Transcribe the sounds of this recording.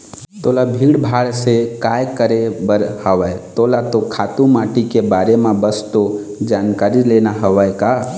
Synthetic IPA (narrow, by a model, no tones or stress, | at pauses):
t̪olabʱiɽbʱaɽsekajkəɾebəɾhəʋəjt̪olat̪okʰat̪ũmaʈikebaɾemebəst̪o | d͡ʒankaɾilenaɦəʋəjka